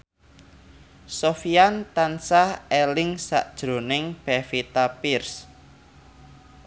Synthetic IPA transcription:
sofiant̪ansahɛlɪŋsa̰ʔd̥ʒ̥ɾo̤nɪŋpɛfit̪apɪrs

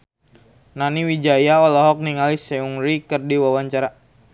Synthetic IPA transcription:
naniwid͡ʒajaɔlɔɦɔk̚niŋalisɛuŋɾikɨrdiwawaɲt͡ʃaɾa

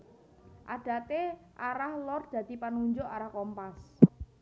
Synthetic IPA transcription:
ʔaɖ̥ä̤t̪eʔaɾahlɔrd̪̥ä̤d̪̥i̤panuɲd͡ʒʊʔaɾahkɔmpas

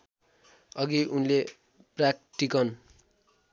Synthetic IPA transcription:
ʌɡiʔunle | prak̚ʈikʌn

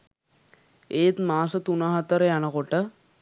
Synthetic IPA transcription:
eːt̪maːsət̪unaɦat̪əɾəjanəkoʈə

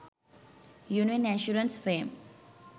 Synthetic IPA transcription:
juːniənɛʃuɾə̃nsfeːm

